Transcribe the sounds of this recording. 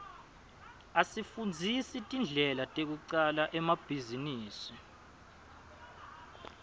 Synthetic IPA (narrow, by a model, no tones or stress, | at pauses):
asifund͡zʱisitʼind͡ɮʱɛlatʼek̬uǀalaʔɛmab̥ʱiziniːsi